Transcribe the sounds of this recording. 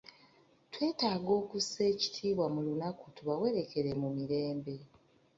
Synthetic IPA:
twe̞ːtaːɡo̞ːkuse̞ːci̥tʰiːβwamulunakutuβawe̞ɾe̞ke̞ɾe̞mumiɾe̞ːmbe̞

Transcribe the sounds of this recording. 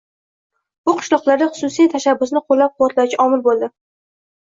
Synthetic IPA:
bʊqʰɨ̥ʃlˠɒqlˠaɾd̪aχʊ̥sʊsijt̪ʰaʃabːʊsnɪqʰolːap̚qʰʊwɒt̪lat͡ʃʲaʔɒmɪlbolˠd̪ɪ

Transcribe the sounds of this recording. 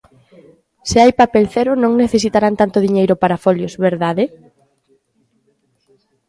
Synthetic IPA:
sɪajpapɛlθɛɾʊnõŋneθes̬it̪aɾant̪ant̪ʊðiɲejɾʊpaɾafɔljosβeɾðaðɪ

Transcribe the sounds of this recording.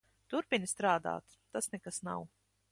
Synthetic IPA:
t̪uɾpinʲist̪ɾaːd̪a̰ːt̪ːasnɛkasna̰w

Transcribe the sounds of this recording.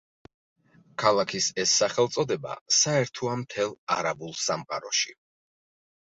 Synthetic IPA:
kʰalˠakʰisɛsːaχɛlˠt̪sʼɔd̪ɛba̰saɛɾt̪ʰɔamt̪ʰɛlˠa̰ɾabulˠsamqʼa̰ɾɔʃi

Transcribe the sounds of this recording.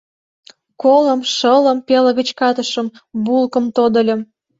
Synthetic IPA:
kolə̆mʃələ̆mpelə̆ɣət͡ɕkɑt̪əʃə̆mbulkəmt̪od̪ə̆lʲə̆m

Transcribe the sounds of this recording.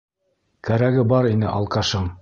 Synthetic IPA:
kæɾæɡɘbɑɾinɘ̰ʔɑ̰lˠqɑʃɤɴ

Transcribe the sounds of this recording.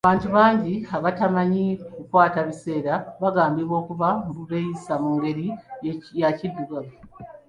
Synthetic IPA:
aβaːntuβaːɲɟiaβatamaɲikukwaːtaβise̞ːɾaβaɡaːmbiβwo̞ːkuβambuβejisamuːŋɡe̞ɾijacidːuɡaβu

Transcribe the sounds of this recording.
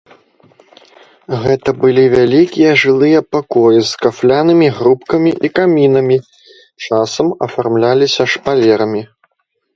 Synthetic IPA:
ɣɛt̪ɐbɨlʲivʲalʲikʲijɐʐɨlˠɨjɐpakɔjizkaflʲanɨmʲiɣɾupkɐmʲiʔikamʲinɐmʲi | t͡ʂasɐmɐfarmlʲalʲisʲɐʂpalʲɛɾɐmʲi

